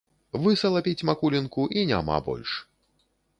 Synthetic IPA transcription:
vɨsɐlˠapʲit͡sʲmakulʲinkuʔinʲa̰ma̰bɔ̰lʲʂ

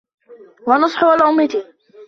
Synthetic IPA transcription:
wɑnɑsˤħʊalʔʊmːat̪i

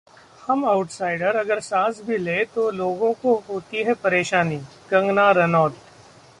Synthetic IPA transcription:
hɐmaʊʈsaːɪɖəɾɐɡəɾsaːsbʱileːt̪oloːɡõkoɦoːt̪iɦɛpɐɾeːʃaːni | ɡɐ̃ŋɡnaːɾɐnɔːt̪

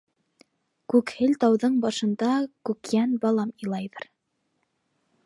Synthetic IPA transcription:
kʉkhɘlt̪ɑwðɤɴbɑʃɤ̆nd̪ɑkʉkjænbɑlˠɑmilˠɑjðɤɾ

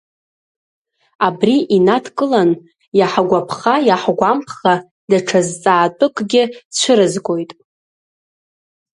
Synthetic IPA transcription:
abriʔinatʰkʼɨlan | jaħaɡʷapʰχajaħɡʷampʰχa | daʈ͡ʂʰazt͡sʼaːtʷʼʊkʼɡʲɪt͡ɕʷʰɨɾɨzɡʷʼo̞jtʼ

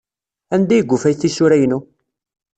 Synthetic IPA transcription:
ænd̪æjəɡːufæjθiʃʊɾæjnu

